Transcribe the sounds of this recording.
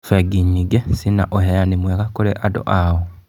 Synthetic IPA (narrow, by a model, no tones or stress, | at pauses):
feɡiɲːiɡesina̰ʔoɦejanimwekakoleʔado̰ʔao